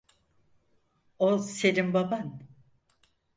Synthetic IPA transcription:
ose̞limbaban

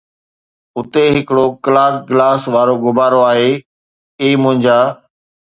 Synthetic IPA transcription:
ʊt̪eɦɪkɪɽokəlaːkɡɪlaːsʋaːɾoɡʊbaːɾoaːɦeː | eːmʊ̃ɦɪ̃ɲd͡ʑaː

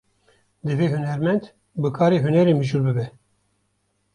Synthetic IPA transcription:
d̪ɨveːɦunɛɾmɛnd̪ | bɨkʰɑːɾeːɦunɛɾeːmɨʒuːlbɨbɛ

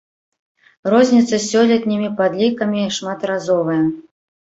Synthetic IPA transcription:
rɔzʲnʲit̪sɐsʲːɔlʲɐt̪ʲnʲimʲipad̪lʲikɐmʲiʂmat̪ɾazɔvɐjɐ

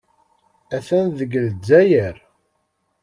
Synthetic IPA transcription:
æθænðəɡld͡zːæjəɾ

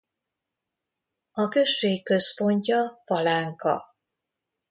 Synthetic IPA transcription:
ɒkø̞ʃːeːkːø̞spo̞ɲcɒpɒlaːŋkɒ̰

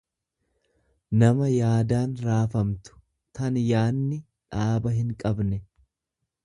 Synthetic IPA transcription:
nɐmɐjaːd̪aːnɾaːfɐmt̪ʊ̥ | t̪ɐnjaːnːɪ | ᶑaːbɐɦɪŋkʼɐbnɛ

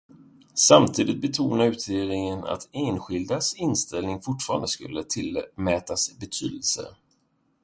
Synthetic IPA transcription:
samt̪ʰiːd̪ɪt̪̚bɛt̪ʰuːnaɾʉ̟ːt̪ʰeːɾɪŋəna̰t̪eːnɧɪld̪asɪnst̪ɛlnɪŋfʊʈfɑːɾa̰nd̪əskɵ̰lːət̪ʰɪlmɛːt̪asbɛt̪ʰyːd̪əlsə̰

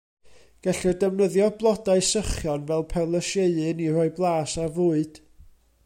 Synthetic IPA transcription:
ɡ̥ɛɬɔdəvnəðjɔblˠɔdaɨsəχjɔnvɛlˠpʰɛlˠəʃeɨɨnirɔɨblˠaːsavuːɨd̥

